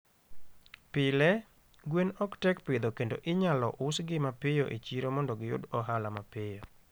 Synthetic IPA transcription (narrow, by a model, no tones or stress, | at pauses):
pɪlɛ | ɡwenɔktɛkpɪd̪okendo̰ʔɪɲalɔ̰ʔʊsɡɪmapɪjoʔḛt͡ʃiɾomɔndɔɡɪjʊ̰dɔɦalamapɪjo